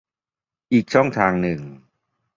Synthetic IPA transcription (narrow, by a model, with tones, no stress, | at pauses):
ʔiː˨˩k̚t͡ɕʰɔ˥˩ŋt̪ʰaː˧ŋnɯ˨˩ŋ